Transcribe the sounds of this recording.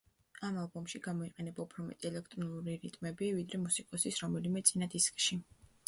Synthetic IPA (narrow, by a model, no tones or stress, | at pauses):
amalˠbɔmʃiɡamɔiqʼɛnɛbaupʰɾɔmɛ̰t̪ʼiɛlɛkʰt̪ʼɾɔnuɾiɾit̪ʼmɛbivid̪ɾɛmusikʼɔsisɾɔmɛlimɛt̪sʼinad̪iskʼʃi